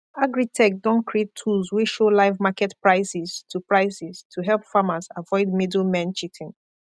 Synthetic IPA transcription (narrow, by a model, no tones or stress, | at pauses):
aɡɹitʰɛk̚dɔ̃nkʰɹietʰːulˠzwiʃolaɪvmakɛtpɹaɪsistʰupɹaɪsistʰuɦɛlpfamazavɔɪd̚midlmɛ̃nt͡ʃitʰɪ̃ŋ